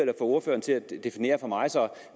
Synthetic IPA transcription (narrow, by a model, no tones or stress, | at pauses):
elɐfɒ̽o̝ɐfø̰ːɐnt͡sʰe̝læd̥e̝fine̝̰ːɐfɒ̽mɑ̈ɪsɒ̽